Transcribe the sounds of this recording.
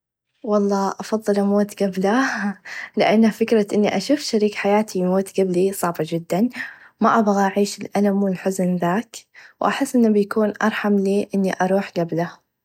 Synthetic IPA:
wɑlˤːɑːʔɑfɑðˤːɨlʔamoːt̪ɡabla | lɪʔanːhafɪkɾaʔɪnːiʔaʃuːfʃaɾiːkħajaːt̪ʰimoːt̪ɡablisˤɑʕbɑd͡ʒɪd̪ːan | maʔabɣaʔaʕiːʃɪlʔalamwɪlħʊznðaːkwʔaħɪsːʔɪnːabjakuːnʔɑ̰ɾˤħɑmliːʔɪnːiʔɑɾˤuːħɡabla

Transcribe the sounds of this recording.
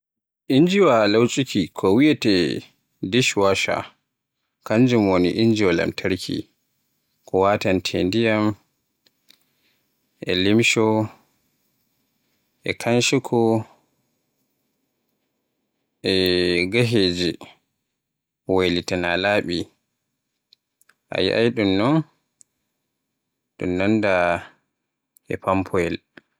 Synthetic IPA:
ʔind͡ʒiwalawt͡ʃʼikʰikʰɔwiɛtɛ | diʃwaʃa̰ | kaɲd͡ʒumwoniʔind͡ʒiwala̰mtʰaɾkʰḭ | kɔwatantʰendijam | ʔɛ̰limʃɔ | ʔɛkʰanʃikʰɔ | ʔɛɡaɦeːd͡ʒi | walitanalaːɓi | ʔa̰j̰ʔa̰jɗumnɔn | ɗṵmnanda | ɛ̰pampʰɔɛl

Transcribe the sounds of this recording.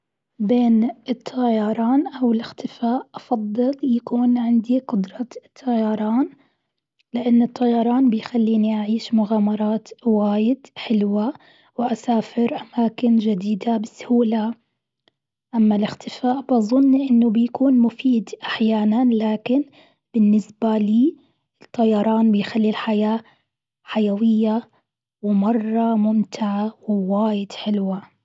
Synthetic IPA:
beːnɨt̪ʰːɑjɑɾˤɑːnʔawɪlɪxt̪ʰɪfaːʔʔɑfɑd̪ˤːɨljakuːnʕɪnd̪iqʊd̪ɾˤɑt̪ʰːɑjɑɾˤɑːn | lɪʔanːɨt̪ˤʰːɑjɑɾˤɑːnbɪjxalːiːniʔaʕiːʃmʊɣaːmɑɾˤɑːt̪waːjɪd̪ħɪlwa | wʔasaːfɪɾʔamaːkɪnd͡ʒɪd̪iːd̪abasːhuːla | ʔamːalɪxt̪ɪfaːʔbʔɑzˤʊnːʔɪnːʊbɪjakuːnmʊfiːd̪ʔaħjaːnanlaːkɪn | b̥ɪnːɪsbaliː | ɪt̪ʰˤːɑjɑɾˤɑːnbɪjxalːilħajaː | ħajawɪjːa | wɪmɑrˤːɑmʊmt̪ʰɪʕawɪwaːjɪd̪ħɪlwa

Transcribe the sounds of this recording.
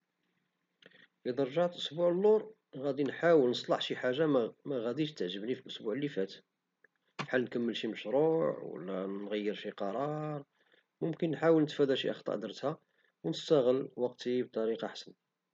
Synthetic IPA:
ʔid̪ɑɾˤʒɑʕt̪ʔʊsbuʕəlːuɾˤ | ɣæd̪inħawəlnəsˤlɑħʃiħaʒːamæɣæd̪iʃt̪ːəʕʒəbnifilʔʊsbuʕlːifæt̪ | fħalnkəmːəlʃiməʃɾuʕwə̰lːænɣəjːəɾʃiqɑɾˤɑɾˤ | mʊmkənːħawəlnət̪fæd̪æʃḭʔɑ̰xt̪ˤɑ̰ʕd̪əɾˤət̪hæ | wnəst̪æɣəlwɑqt̪ib̚t̪ˤɑɾiqɑħsən

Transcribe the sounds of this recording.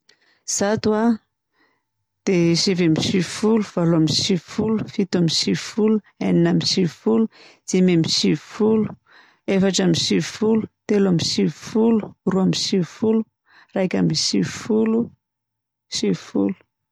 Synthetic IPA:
z̥at̪ua | d̪̥eʃevamisivfuluv̥aloamisivfulu̥fit̪amisivfulu | aninamisivfulu | z̥ememisivfulu̥ | efaʈ͡ʂamisivfulu̥t̪elamisivfulu̥ruamisivfulu | rajkʲa̰misivfulu | sivfulu̥

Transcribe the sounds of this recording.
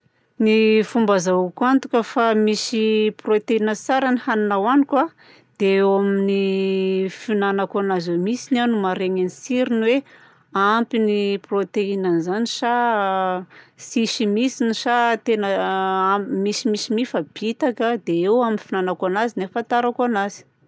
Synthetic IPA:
nifumbazaukant̪ukəfamisiprot̪einət͡saɾanihaninawanikwa | d̪̥eewamini | finanakanazewmisinanumaɾeŋanisiɾinwe | ampiniprot̪einanzaniʃa | siʃimisiniʃat̪enə | misimisimifəb̥it̪akəd̪eewaminfinanakanazinefat̪aɾakanazi̥

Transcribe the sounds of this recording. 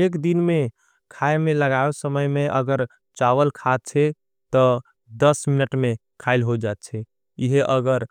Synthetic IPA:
ekd̪inme | kʰaemẽləɡaesəməjmeʔəɡəɾ | t͡ʃawəlkʰat̪̚t͡ʃʰɛ | t̪ɔ | d̪əsminəʈme | kʰaɪlɦod͡ʒat̪t͡ʃʰɛ | iɦʔəɡəɾ

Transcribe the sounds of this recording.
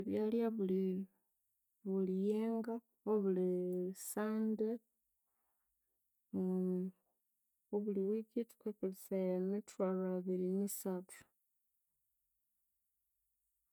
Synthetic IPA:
eβjaːliaβuli | βulijeːŋɡa | oβulisaːnde | oβuliwikiti̥kwekulisailemitwalaβiɾinisatʰu̥

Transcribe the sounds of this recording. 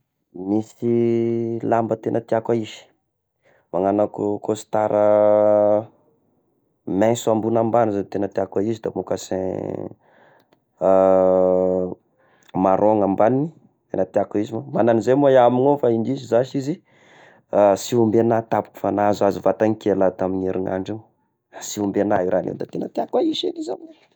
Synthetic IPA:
misi | lambət̪enət̪iakʷaizi̥ | maŋanakukosi̥t̪aɾə | mɛ̃sambunambanizat̪enət̪iakaizid̪amokasḛ̃ | maɾʔoŋambanini | enat̪iakaizimamananizemuaiamiŋofaind̪izizaʃizi | asiumbenat̪apu̥ku̥fanazazuvat̪aŋikelat̪amineɾʔiŋa̰ɳɖ͡ʐi | asiumbenaiɾʔanḛwd̪at̪enət̪iakaiʃenizamine

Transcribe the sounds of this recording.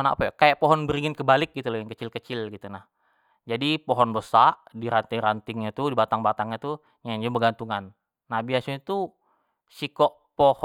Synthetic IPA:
na̰pɛkajaʔpɔɦɔnbəɾiŋɪnkəbalɪk̚ɡit̪ulajaŋkət͡ʃɪlkət͡ʃɪlɡit̪unah | d͡ʒadipɔɦɔnbəsaʔdiɾant̪ɪŋɾant̪ɪŋɲat̪udibat̪aŋbat̪aŋɲat̪u | ɲaɲd͡ʒubəɡant̪uŋanː | abiasoit̪u | sikɔʔ | poh

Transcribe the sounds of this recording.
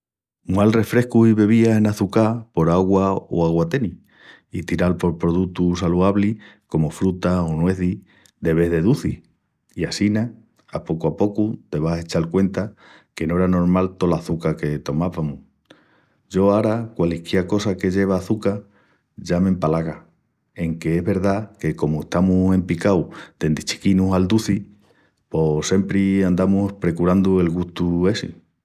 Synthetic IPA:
malre̞fɾe̞hkuhiβe̞β̞iase̞naθukapo̞ɾaɣwao̰aɣ̞wat̪e̞ni | it̪iɾalpo̞ɾpɾo̞ðut̪us̬aluaβliko̞mo̞fɾut̪aonwe̞θi | ðe̞βe̞ðe̞ðuθi | iasina | apo̞kuapo̞kut̪e̞β̞ase̞t͡ʃalkwe̞nt̪a | ke̞noe̞ɾano̞ɾmalt̪o̞laθukake̞t̪o̞maβamu | d͡ʒo̞aɾakwalikjeako̞sake̞ʎe̞β̞aːθuka | ʝamẽ̞mpalaɣa | e̞ŋke̞e̞ɦβe̞ɾðake̞ko̞mueht̪amuse̞mpikawd̪̥e̞nd̪it͡ʃi̥kinuɦald̪uθi | po̞se̞mpɾiand̪amupɾe̞kuɾand̪ue̞lɣuht̪ue̞sḭ

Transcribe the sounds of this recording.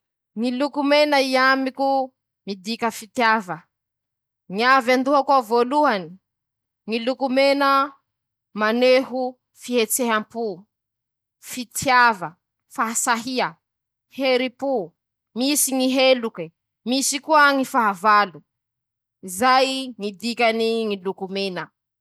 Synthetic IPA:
ŋilukumenaiamiku | mid̪ikəfit̪javə | ŋiavand̪uɦakwavoluani | ŋilukumenə | maneɦu | fiɦet͡seɦampu | fit̪javə | faɦasaɦiə | heɾipu | misiŋiɦeluki | misikuəŋifaɦavalu | izajiŋid̪ikaniŋilukumenə

